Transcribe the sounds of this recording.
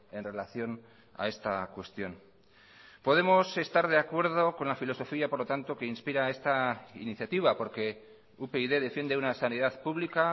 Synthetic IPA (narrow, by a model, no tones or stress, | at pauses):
e̞nre̞laθjo̞n | a̰e̞st̪akwe̞st̪jo̞n | po̞ð̞e̞mo̞se̞st̪aɾðe̞akwe̞ɾðo̞ko̞nlafilo̞so̞fiapo̞ɾlo̞t̪ant̪o̞ke̞inspiɾae̞st̪aḭniθjat̪iβ̞apo̞ɾke̞ | upeiðe̞ðe̞fjend̪eunasanið̞aðpuβlika